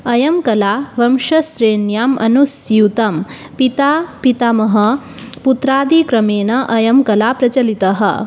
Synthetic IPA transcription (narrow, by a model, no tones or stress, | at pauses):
ɐjɐmkɐlaːʋɐmʂɐsɾeːnjaːmɐnusjut̪ɐm | pit̪aːpit̪amɐɦɐ | put̪ɾaːd̪ikɾɐmeːnɐʔɐjɐmkɐlaːpɾɐt͡ʃɐlit̪ɐɦɐ̰